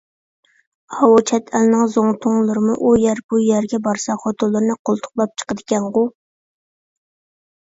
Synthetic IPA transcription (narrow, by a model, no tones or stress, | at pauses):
hɑwt͡ʃʰɛt̪ʰælnɨŋzoŋt̪ʰʊŋlˠɨɾɨmuʔujæɾb̥ujæɾɡʲɛbɑɾsɑχot̪ʰolˠːɨɾnɨqʰolˠt̪ʰʊ̥qlˠɑp̚t͡ʃʰə̥qəd̪ɪkʲɛnʁʊ